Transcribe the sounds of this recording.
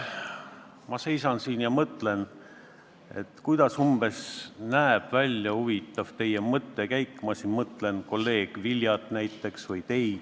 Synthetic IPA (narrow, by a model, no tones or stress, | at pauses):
mɑse̞jsɑnsinjɑmɤt̪ːˑle̞n | e̞t̪ːkujd̪̥ɑsumb̥e̞snæeb̥vælʲjɑhuvit̪ːˑɑv̥t̪e̞jemɤt̪ˑːekæjkːˑmɑsinmɤt̪ˑle̞nko̞lːe̞ːɡ̥viljɑt̪næjt̪ːˑe̞ksvɤjt̪e̞jd̪̥